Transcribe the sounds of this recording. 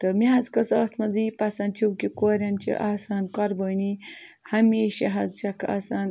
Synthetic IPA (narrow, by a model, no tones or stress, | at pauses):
t̪ɐmiɦɐzkɐsɐːt̪ʰmɐziːpɐsɐnt͡ʃʰiwkikoːɾʲɐmt͡ʃʰḭʔasaːnkɐɾboːnihɐmeːʃɐɦɐzʃɐkʰa̰saːn